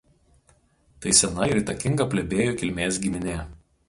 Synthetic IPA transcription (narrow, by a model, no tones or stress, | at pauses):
t̪ɐɪsʲɛnɐɪɾiːˑt̪ɐkʲɪŋɡɐpʲlʲɛbʲeːjoːkʲɪlʲmʲeːsɡʲɪmʲɪnʲeː